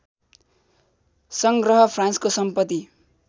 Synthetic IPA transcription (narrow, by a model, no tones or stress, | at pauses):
sʌŋɡrʌɦʌpʰranskosʌmpʌt̪ːi